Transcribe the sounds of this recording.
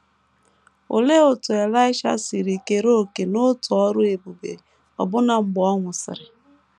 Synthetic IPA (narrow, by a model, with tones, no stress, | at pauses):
o̰˨le˦o˨tʊ˨e˨la˦ɪ˦ʃa̰˦si˨ɾi˨ke˨ɾo˦˨ke˨no˦tʊ˨ɔ˦ɾʊ˦e˨bu˨bḛ˨ | ɔ̰˨bʊ˦na˨ŋ͡m̩˨ɡ͡bɔ˦ŋʷʊ˨sɪ̰˨ɾɪ˨